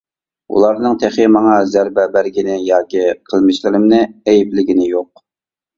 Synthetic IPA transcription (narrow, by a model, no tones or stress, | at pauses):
ṵlˠɑɾnɨŋt̪ʰɛχɪmɑŋɑzæɾbɛbæɾɡʲinɪjɑːkʲiqʰəlˠmɪʃlɪɾɪmnɪɛjiplɪɡʲinɪjoq̚